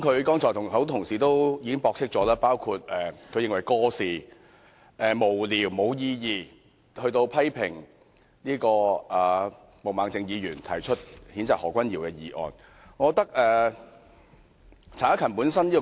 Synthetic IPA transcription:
kʰɵ˨˧ɥkɔː˥ŋt͡sɔː˨˩t̪ʰʊ˨˩ŋhɐ˨˥wt̪ʰʊ˨˩ŋsiː˨t̪o˥wjiː˧kɪ˥ŋpɔː˧k̚sʰɪ˥k̚t͡sɔː˨˧˥laː˥paː˥wkʰu˧t̚ɛː˨˩kʰɵ˨˧ɥjɪ˨˧ŋwɐ˨˩jkɔː˥siː˨ | ʔɛː˨˩mo˨˩wliː˨˩wmo˨˧wjiː˧jiː˧ | hɵ˧ɥt̪o˧wpʰɐ˥jpʰɪ˨˩ŋ | liː˥kɔː˧ʔɐː˨˩ | mo˨wmaː˨˧ŋt͡sɪ˨˧ŋjiː˨˧jyː˨˩nt̪ʰɐ˨˩jt͡ʃʰɵ˥t̚hiː˨˥nt͡saː˨k̚hɔː˨˩kʷɐ˥njiː˨˩wkɛː˧jiː˨˧ʔɔ̰ː˨˩n | ŋɔː˨˧t̪ɐ˥k̚ɛː˨ | t͡sʰaː˨˥kʰɐ˨˩npuː˨˥nsɐ˥niː˥kɔ˧

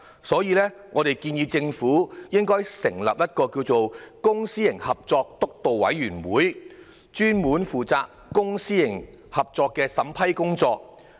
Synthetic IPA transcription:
sɔː˨˥jiː˧lɛː˥ŋɔː˨˧ɾe˨jkiː˧njiː˧t͡sɪ˧ŋfuː˨˥jɪ˥ŋkɔː˥jsɪ˨˩ŋlɐ̰˨p̚jɐ˥t̚kɔː˧kiː˧wt͡so˨wkʊ˥ŋsiː˥jɪ˨˩ŋhɐ˨p̚t͡sɔː˧k̚t̪ʊ˥k̚t̪o˨wwɐ̰˨˥jɥyː˨˩nwuː˨˥j | t͡ʃyː˥nmuː˨˥nfuː˨t͡saː˧kːʊ˥ŋsiː˥jɪ˨˩ŋ | hɐ˨p̚t͡sɔː˧kːɛː˧sɐ˨˥mpʰɐ˥jkʊ˥ŋt͡sɔː˧k̚

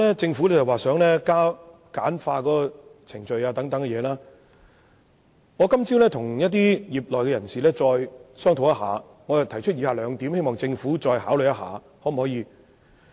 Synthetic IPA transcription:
ɛ˥t͡sɪ˧ŋfuː˨˥lɛ˥ɐ˨˩waː˨sœː˨˥ŋlɛː˥kaː˥ | kaː˨˥nfaː˧kɔː˨˦˥kɔː˧t͡sʰɪ˨˩ŋt͡ʃɵ˧ɥaː˧t̪ɐ˨˥ŋt̪ɐ˨˥ŋkɛ˧jɛː˨˧laː˥ | ŋɔː˨˧kɐ˥mt͡siː˥wlɛː˥t̪ʰʊ˨˩ŋjɐ˥t̚t̪iː˥jiː˨˩p̚lɔː˨jkɛː˧jɐ˨˩nsiː˨lɛː˥t͡sɔː˧jsœː˥ŋt̪ʰo˨˩wjɐ˥ɦa̰ː˨˧ | ŋɔː˨˧jɐ˨˩t̪ʰɐ˨˩jt͡ʃʰɵ˥t̚jiː˨˧haː˨˧lœː˨˧ŋt̪iː˨˥mhe˥jmɔː˨˩ŋt͡sɪ˧ŋfuː˨˥t͡ʃɔː˧jhaː˨˥wlɵ˨˧jɐ˥ha̰ː˨˧ | hɔː˨˥m̩˨˩hɔː˨˧˥jiː˨˧

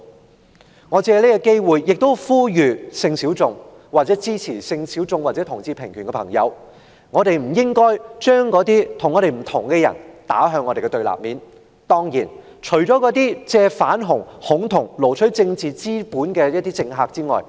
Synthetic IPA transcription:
ŋɔː˨˧t͡sɛː˧leː˥kɛ˧ke˥jwuː˨jːɪ˨k̚t̪o˥wfuː˥jyː˨˧sɪ˧ŋsiː˨˥wt͡sʊ˧ŋ | waː˨k̚t͡sɛː˨˥t͡siː˥t͡sʰiː˨˩sɪ˧ŋsiː˨˥wt͡sʊ˧ŋwa˨t͡sɛː˨˥t̪ʰʊ˨˩ŋt͡siː˧pʰɪ˨˩ŋkʰy˨˩kɛ˧pʰɐ̰˨˩ŋjɐ̰˨˧w | ŋɔː˨˧ɾe˨jm̩˨˩jɪ˥ŋkɔː˥jt͡ʃœː˥ŋkɔː˨˥t̪iː˥t̪ʰʊ˨˩ŋɔ˨˧ɾe˨jm̩˨˩t̪ʰʊ˨˩ŋkɛ˧jɐ̰˨˩nt̪a̰ː˨˥ɦœː˧ŋːɔː˧ɾe˨jkɛ˧t̪ɵ˧ɥla̰ː˨p̚miː˨˥n | t̪ɔː˥ŋjiː˨˩n | t͡ʃʰɵ˨˩t͡sɔː˨˥kɔː˨˥t̪iː˥t͡sɛː˧fa̰ː˨˥nɦʊ˨˩ŋhʊ˨˥ŋt̪ʰʊ˨˩ŋlo˨˩wt͡ʃʰɵ˨˥t͡sɪ˧ŋt͡siː˨t͡siː˥puː˨˥nkɛː˧jɐ˥t̪̚iː˥t͡sɪ˧ŋɦaː˧k̚t͡siː˥ŋɔ̰ː˨j

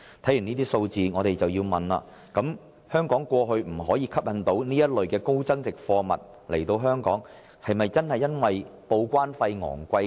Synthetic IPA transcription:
t̪ʰɐ˨˥jy˨˩niː˥t̪iː˥so˧wt͡siː˨ŋɔː˨˧t̪e˨jt͡sɐ˨wjiː˧wmɐ˨˩nla̰ː˧ | kɐ˨˥m | hœː˥ŋkɔː˨˥ŋkʷɔː˧ɦɵ˧ɥm̩˨˩ɦɔː˨˥jiː˧kʰɐ˥p̚jɐ˨˧nt̪o˨˥wniː˥jɐ˥t̚lɵ˨ɥkɛː˧ko˥wt͡sɐ˥ŋt͡sɪ˨k̚fɔː˧mɐ̰˨t̚ | le˨˩jt̪o˧wɦœː˥ŋkɔ̰ː˨˥ŋ | hɐ˨jmɐ˨jt͡sɐ˥nhɐ˨˩jːɐ˥nwɐ˨jpo˧wkʷaː˥nfɐ˧jŋɔ̰ː˨˩ŋkʷɐ˧j

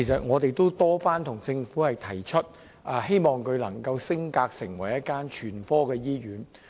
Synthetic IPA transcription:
kʰe˨˩sɐ˨t̚ŋɔː˨˧t̪e˨jt̪o˥wt̪ɔː˥faː˥nt̪ʰʊ˨˩ŋt͡sɪ˧ŋfuː˨˥hɐ˨jt̪ʰɐ˨˩jt͡ʃʰɵ˥t̚ | ʔa˨˧he˥jmɔː˨˩ŋkʰɵ˨˧ɥlɐ˨˩ŋkɐ˧wsɪ˥ŋkaː˧k̚sɪ˨˩ŋwɐ˨˩jɐ˥t̚kaː˥nt͡ʃʰyː˨˩nfɔː˥kɛː˧jiː˥ɥyː˨˥n

